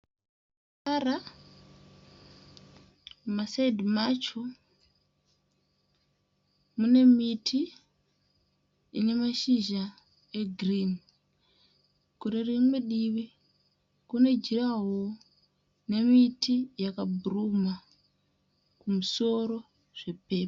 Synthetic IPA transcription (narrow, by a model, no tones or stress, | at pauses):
ara | masaidimat͡ʃo | mune̞mitʰi | ḭne̞maʃiʒa | e̞ɡʱrin | kurerimwe̞ɗiʋi | kune̞d͡ʒiraɦo | ne̞mitijakabʱuruma | kumuso̞ɾo̞ | ʐ̥e̞pe̞ːpa